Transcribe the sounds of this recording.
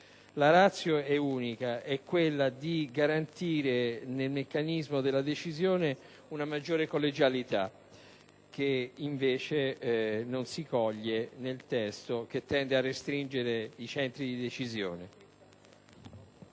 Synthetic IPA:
laɾat̪sːjoɛuːnikaɛkːwelːad̪iɡaɾant̪iːɾenelmekːanizmod̪elːad̪et͡ʃizjoːne | unamad͡ʒːoːɾekolːed͡ʒalit̪a̰ | k̟ːeiɱveːt͡ʃenonsikɔʎːenelt̪ɛst̪ok̟et̪ːɛnd̪earːest̪ɾind͡ʒeɾeit͡ʃɛnt̪ɾid̪id̪et͡ʃizjo̰ːne

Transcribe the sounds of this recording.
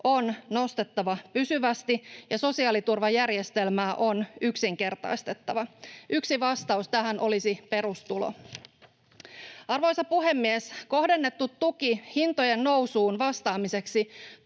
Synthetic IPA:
ʔo̞nno̞st̪e̞t̪ːɑʋɑpysyʋæst̪ijɑso̞siɑːlit̪urʋɑjærje̞st̪e̞lmæːʔo̞nyksiŋke̞rt̪ɑ̰jst̪e̞t̪ːɑʋɑyksiʋɑst̪ɑust̪æɦænʔo̞lisipe̞ɾust̪ulo̰ | ɑrʋo̞jsɑpuɦe̞mːiesko̞ɦde̞nːe̞t̪ːut̪ːukihint̪o̞jenːo̞wsuːnʋɑst̪ɑːmise̞ksi

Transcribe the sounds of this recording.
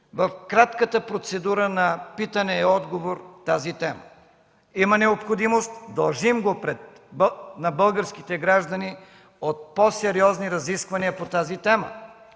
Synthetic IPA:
vɐfkɾat̪kət̪əpɾot̪sɛd̪uɾənɐpit̪ɐnɛːɔd̪ɡovoɾt̪azit̪ɛmə̰ | imɐnɛopxod̪imost̪d̪ɐlˠʒimɡopɾɛt̪ | nɐbəlˠɡəɾskit̪ɛɡɾaʒd̪ɐni | ot̪̚posɛɾiɔzniɾɐziskvɐniəpot̪azit̪ɛmə̰

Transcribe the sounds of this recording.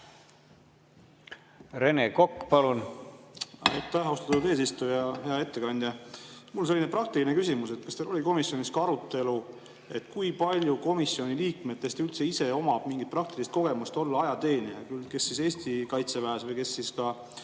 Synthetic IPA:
ɾe̞neko̞kːpɑlun | ɑ̰jt̪ːæhost̪ɑ̥t̪ːud̪̥e̞ːs̬ist̪ujɑɦe̞ɑe̞t̪ːe̞kɑnʲd̪jɑmulonse̞lːinepɾɑk̚t̪iline̞kysʲimuse̞t̪kɑst̪elo̞lʲiko̞misjo̞nʲiskɑɾut̪ːˑe̞lu | e̞t̪ːˑkujpɑlʲjuko̞misːio̞nʲiliːkmet̪ːe̞st̪ylt̪se̞ise̞o̞mɑb̥miŋɡit̪̚prɑk̚t̪ilist̪ko̞ɡe̞must̪o̞lːɑɑjɑt̪e̞ːnʲiɑkylke̞sːise̞ːst̪ikɑjt̪sevæesvɤjke̞sːiskɑ

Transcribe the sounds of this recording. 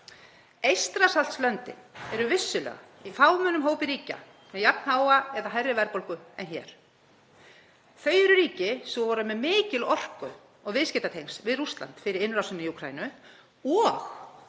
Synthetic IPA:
ejst̪ɾasal̥t̪slœnt̪ɪ̰ɛɾʏvɪsːʏlɛ̰ɣa̰ifaːwmœnʏmɦoːwpɪɾiːca̰ | mɛjap̚nhaːwaɛðaɦajrːɪvɛɾpolkʏɛnçɛ̰ːɾ̥ | θœːɥjɛɾʏɾiːcɪsɔvɔːɾʏmɛðmɪːcɪlɔr̥kʏ | ɔɣvɪðscɛt̪at̪ʰejŋsvɪðrust̪la̰nt̪fɪɾɪɾɪnɾawsʏnːɪiukʰɾaːjnʏ | ɔx

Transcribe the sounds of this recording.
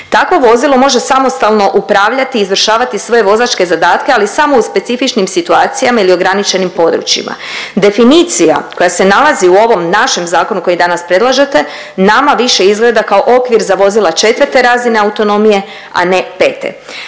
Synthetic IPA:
t̪akʋo̞ʋo̞zilˠo̞mo̞ʒe̞samo̞st̪alˠno̞ʔupɾaːʋʎat̪iːzʋr̩ʃaːʋat̪isʋo̞je̞ʋo̞zat͡ʃke̞zad̪aːt̪ke̞alisamo̞uspe̞t̪sifit͡ʃnimsit̪uaːt̪sijamailio̞ɡɾanit͡ʃe̞nimpo̞d̪ɾṵt͡ʃḭmʔa̰ | d̪e̞finit̪sija̰ko̞jase̞nalˠaziuo̞ʋo̞mnaʃe̞mzaːko̞nuko̞id̪anaspɾe̞d̪lˠaʒe̞t̪e̞ | namaʋiʃe̞izɡle̞d̪akao̞ʔo̞kʋiɾzaʋo̞zilˠat͡ʃe̞t̪ʋəɾt̪e̞ɾaːzine̞aut̪o̞no̞mije̞ | a̰ne̞pe̞ːt̪ḛ

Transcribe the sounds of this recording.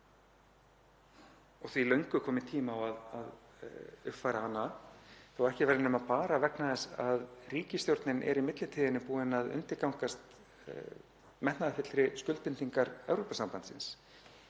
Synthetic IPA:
ɔɣθvilœɥŋkʏkʰɔːmɪt̪ʰiːmawaðað | ʏhp̪fajɾaaːnːaθawɾɛhcɪvɛːɾɪnʏmaðpaːɾavɛknaðɛsaðriːcɪst̪jowɾt̪nɪnʔɛ̰ɾimɪt̪lɪt̪ʰiːðɪnɪpuːɪnaðʏ̰nt̪ɪɾkawŋkast̪ | mɛht̪naðɪfɪt̪ɾɪskʏlt̪pɪnt̪iŋkaɾɛvɾopasampant̪sɪns

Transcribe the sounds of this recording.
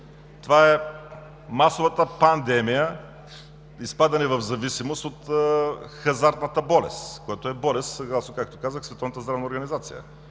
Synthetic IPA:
t̪ovaɛ | masovət̪əpɐnd̪ɛmijə | ispad̪ɐnɛvɐvzɐvisimost̪ot̪ | xɐzaɾt̪nət̪əbɔlɛ̰st̪koɛt̪oɛbɔlɛst̪sɐɡlˠasnokak̚t̪okazəxsvɛt̪ɔvnət̪əzd̪ɾavnəoɾɡɐnizat̪sijə̰

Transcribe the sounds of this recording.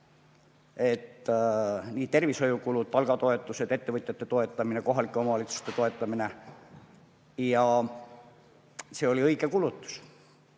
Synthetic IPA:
e̞t̪ː | niːt̪e̞rviso̞jukulud̪̥̚pɑlɡ̥ɑt̪o̞e̞t̪ːˑuse̞d̪e̞t̪ːe̞vɨt̪ʲjɑt̪ːe̞t̪o̞et̪ːˑɑmineko̞ɦɑlikːˑeo̞mɑɑlit̪su̥st̪e̞t̪o̞e̞t̪ˑːɑmine̞ | jɑ | se̞ːo̞liɤjɡ̥e̞kulut̪ˑːu̥s

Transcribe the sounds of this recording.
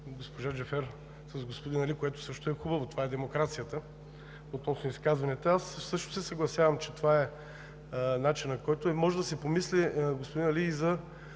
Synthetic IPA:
ɡospoʒaʒɛfɛɾ | sɐzɡospod̪inɐlikoɛt̪ʊ̥sɤʃt̪oɛxubɐvot̪ovaɛd̪ɛmokɾat̪sijət̪ə | ot̪nɔsnʊiskazvɐnɛt̪ɐassɤʃt̪o̥sɛsɐɡlˠɐsʲjavɐmt͡ʃɛt̪ovaɛ | nat͡ʃinɐkɔjt̪omɔʒɛd̪ɐsɛpomisliɡospod̪inɐliːzɐ

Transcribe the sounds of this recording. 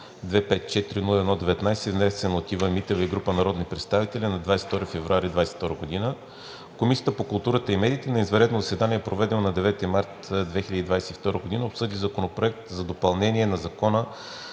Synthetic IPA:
d̪vɛpɛt̪̚t͡ʃɛt̪iɾinulˠɛd̪nɔd̪ɛvɛt̪najsɛvnɛsɛnot̪ivəmit̪ɛvəiɡɾupənɐɾɔd̪nipɾɛt̪st̪avit̪ɛlʲinɐd̪vajsɛ̥ft̪ɔɾifɛvɾʊaɾid̪vajsɛ̥ft̪ɔɾəɡod̪inə | komisijət̪əpokʊlˠt̪uɾət̪əimɛd̪iːt̪ɛnɐizvɐɾɛt̪noʊzɐsɛd̪anʲiɛpɾovɛd̪ɛlˠnɐd̪ɛvɛt̪imaɾt̪d̪vɛxiləd̪id̪vajsɛt̪ift̪ɔɾəɡod̪inəopsɤd̪izɐkonopɾoɛk̚t̪zɐd̪opɐlˠnɛnʲiɛnɐzɐkɔnə

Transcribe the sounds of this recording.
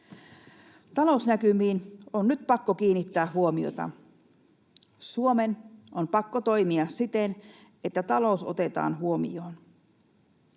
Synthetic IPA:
t̪ɑlo̞usnækymiːnonnyt̪̚pɑkːok̟iːnit̪ːæːɦuomio̰t̪ɑ̰ | suomenʔompɑkːot̪ojmiɑssit̪en | et̪ːæt̪ɑlo̞uso̞̰t̪e̞t̪ɑ̰ːnɦuomḭoːn

